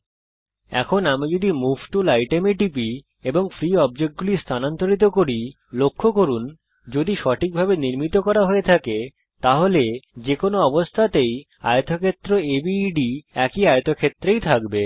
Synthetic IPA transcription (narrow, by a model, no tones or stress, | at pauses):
ɛ̰kʰonamid͡ʑod̪imubʈulajʈemeʈipi | eboŋfɾiɔb̚d͡ʑek̚ʈ̚ɡulist̪ʰanant̪oɾit̪̬okoɾi | lokʰːokoɾun | d͡ʑod̪iʃɔʈʰik̚bʱabeniɾmit̪okɔɾaɦoet̪ʰake | t̪aɦoled͡ʑekonoɔbost̪ʰat̪ej | a̰jot̪okʰet̪ːɾoebiɖiɛkiajot̪okʰet̪ːɾejt̪ʰakbe